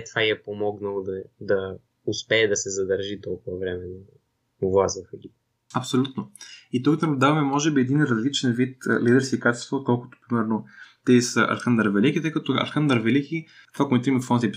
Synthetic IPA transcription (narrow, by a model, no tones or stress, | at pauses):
t̪vaiɛpomɔɡnɐlˠod̪ɐd̪ɐ | ʊspɛːd̪ɐsɛzɐd̪ɐɾʒit̪ɔlˠkʊvɐvɾɛmɛn | ʊvlˠazvɐfɛɡʲip | ɐpsolʲut̪noit̪okd̪ɛmʊd̪avɐmɛmɔʒɛbiɛd̪inɾɐzlit͡ʃɛnvit̪lid̪ɛɾsiːkat͡ʃɛ̥st̪vot̪̚kɔlˠkʊ̥t̪o̥pɾimɛɾnot̪ɛsəʔɐ̰lxand̪əɾvɛlikit̪əjkɐt̪oɐ̰lxand̪əɾvɛlikʲi | t̪vakʊmɛnt̪imɛfɔnzʲɛp